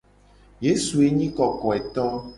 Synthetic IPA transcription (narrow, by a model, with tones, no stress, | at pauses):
je˨˦su˨e˦ɲĩ˦kɔ˨kɔ˨ɛ˨t̪ɔ˦